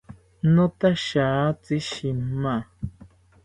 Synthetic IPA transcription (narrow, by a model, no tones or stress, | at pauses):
nõt̪aʃaːt͡siʃima